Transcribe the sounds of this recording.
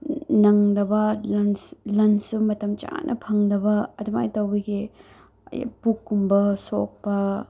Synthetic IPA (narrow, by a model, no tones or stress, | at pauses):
nɐŋdɐbɐlɐnslɐnsumɐtɐmt͡ʃa̰nʔɐ̰pʰɐŋdɐbɐːduma̰jtɐwbɐɡḭ | pukːumbɐso̰k̚pɐ